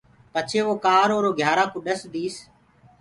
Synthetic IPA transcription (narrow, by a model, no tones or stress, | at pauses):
pət͡ʃʰeːʋoːkaːɾoːɾoːɡʱjaːɾaːkʊɗəsd̪iːs